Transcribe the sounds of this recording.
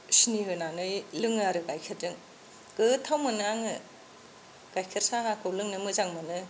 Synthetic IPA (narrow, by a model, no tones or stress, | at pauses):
siniɦɯnanɯjlɯŋaɾɯɡajkʰitɯŋ | ɡ̥ɯtʰawmɯnɯaŋɯ | ɡ̥ajkʰiɾsaŋakʰɯwlɯŋnɯmɯzaŋmanɯ